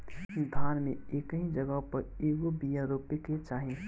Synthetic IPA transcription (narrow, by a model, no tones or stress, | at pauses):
d̪ʱaːnmẽeːkəɦĩd͡ʒəɡəɦpəɾeːɡobijãɾopeket͡ʃaːɦĩ